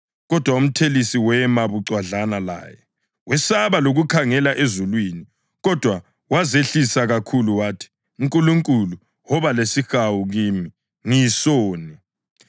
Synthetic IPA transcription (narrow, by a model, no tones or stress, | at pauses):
ɣɔd̥ʱwaum̩tʰelisiwɛmaβuǀwaɮanala̰ːjɛ | wɛsaβaloɣukʰaŋɛlaʔezulwiːni | ɣɔd̥ʱwa | wazeɬisaɣakʰuluwaːtʰi̥ | uŋkʼuluŋkʼulu | wɔβalesixawuɣiːmi | ŋisɔːni